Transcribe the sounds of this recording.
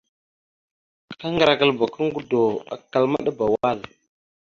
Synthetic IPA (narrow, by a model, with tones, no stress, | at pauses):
ka˦ŋɡɾa˨kə˨lba˨kə˦ŋɡu˦do˨a̰˨kːa˨lma˦ɗa˦ba˨wa˦˨l